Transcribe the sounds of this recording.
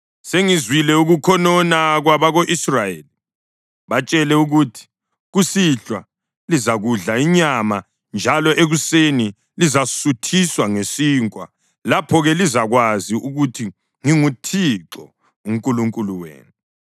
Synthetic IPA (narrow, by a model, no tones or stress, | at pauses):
seŋizwilɛuɣukʰɔnɔnaɣwaβaɣoʔisrajeli | βat͡ʃʼɛlɛuɣutʰi̥ | ɣusiɬwa | lizaɣuɮaiɲama | nd͡ʒʱalɔʔeɣuseni | lizasutʰiswaŋesiŋkʼwa̰ | lapʰɔɣɛlizaɣwaziuɣutʰi | ŋiŋutʰiǁɔ̰ | uŋkʼuluŋkʼuluwḛːnu